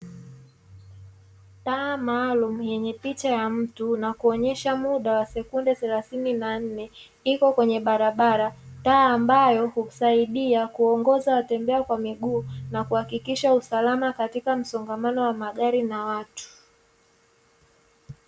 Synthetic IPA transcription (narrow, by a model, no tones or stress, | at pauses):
taːmaːlum̩jɛɲɛpit͡ʃajam̩tunakuɔɲɛʃamuɗawasɛkundɛθɛlaθininan̩nɛ | ikɔkwɛɲɛɓaɾaɓaɾataːmbajɔhuu̥saiɗiakuɔŋɡɔzawatɛmbɛakwamiɠuːnakuhakikiʃausalamakatikam̩sɔŋɡamanɔwamaɠaɾinawatu̥